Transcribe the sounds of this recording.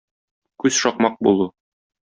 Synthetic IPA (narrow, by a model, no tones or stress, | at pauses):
kʉz̥ʃɒqmɑq̚bulˠu